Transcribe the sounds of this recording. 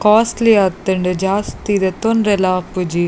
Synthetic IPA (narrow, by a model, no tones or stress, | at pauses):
kaːsliɐt̪ːɨɳɖɨd͡ʒaːst̪id̪ɐt̪onɾelaːpːud͡ʒi